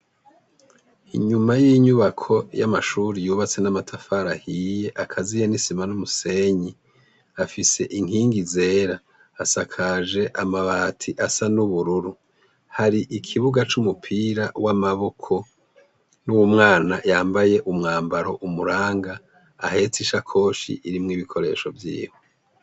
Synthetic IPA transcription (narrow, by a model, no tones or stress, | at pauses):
ḭɲumajiɲuβakʰo̞ja̰maʃuːɾijuːβat͡se̞namatʰafaɾahije̞ʔakʰazijenisimanumuse̞ɲi | afise̞̰ʔiŋhiːŋɡize̞ːɾaː | sakʰaʒe̞ʔamaβatʰiʔasanuβuɾuɾu | haɾiʔikʰiβuɡat͡ʃumupʰiːɾawamaβo̞kʰo̞ | nuwumŋaːnajaːmbaje̞ʔumŋaːmbaɾo̞ʔumuɾaːŋɡa̰ː | he̞ːtiʃakʰo̞ːʃḭʔiɾimŋiβikʰo̞ɾe̞̰ːʃo̞vjḭːho